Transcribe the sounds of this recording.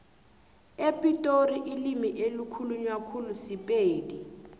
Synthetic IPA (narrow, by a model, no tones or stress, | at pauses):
epʼitʼoriʔilimiʔelukʰuluɲwakʰulusipʼeːdi